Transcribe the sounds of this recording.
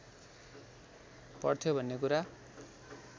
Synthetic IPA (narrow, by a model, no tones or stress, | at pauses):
pʌ̰rt̪ʰjobʱʌnːekuɾa